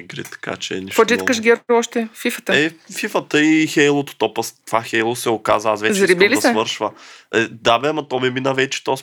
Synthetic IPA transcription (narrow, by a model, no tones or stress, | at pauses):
ɡɾḭt̪ɐ̥ka̰t͡ʃɛɛ̰niʃfod͡ʒit̪kəʃɡʲɛɾɔʃt̪ɛfifət̪ɛfifət̪əixɛjlˠot̪o̥t̪ɔpɐst̪ovaxɛjlˠosɛokazvəasvɛzt͡ʃ̪ɾibilisɛvɤɾʃvəɛd̪abɛmɐt̪ɔmɛminəvɛt͡ʃɛ̥t̪ɔs